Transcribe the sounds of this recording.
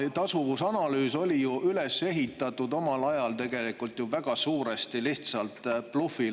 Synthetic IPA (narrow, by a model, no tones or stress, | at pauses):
t̪ɑsuvusɑnɑlyːso̞lʲijuʔyle̞se̞ɦit̪ːˑɑt̪ːˑud̪o̞mɑlɑjɑlt̪e̞ɡ̥e̞likult̪juvæɡ̥ɑsuːɾest̪iliht̪sɑlt̪ːˑplufi